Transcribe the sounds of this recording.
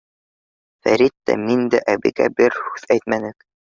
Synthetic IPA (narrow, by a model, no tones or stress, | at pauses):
fæ̰ɾit̪ːæ̰mind̪æʔæbɘ̰̆ɡæ̰bɘɾhʉðæjt̪mænɘk